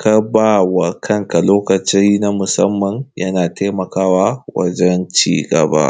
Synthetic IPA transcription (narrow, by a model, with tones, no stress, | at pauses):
ka˦baː˦˨wa˨kʰɐ˦ŋka˨loː˦kɐ˨t͡ʃi˦na˦mʊ˨sɐ˦mːɐ˨ŋjʔɐ˦naː˨teː˦mɐ˨kaː˦wa˦wɐ̰˦d͡ʒɛ˦nt͡ʃḭː˦˨ɡʼɐ̰˨ba̰˦ʔ